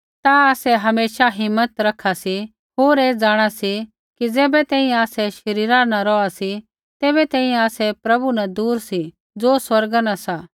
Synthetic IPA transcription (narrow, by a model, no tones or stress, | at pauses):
t̪aaːsɛɦɐmeːʃaɦɪmːət̪ɾɐkʰasi | ɦoːɾeːd͡zaːɽ̃asi | kid͡zɛːbɛt̪ɛ̃ːĩaːsɛʃɐɾiːɾanãɾɔasi | t̪eːbɛt̪ɛ̃ːĩaːsɛpɾɐbunad̪uːɾsi | d͡zoːswɐɾɡanasaː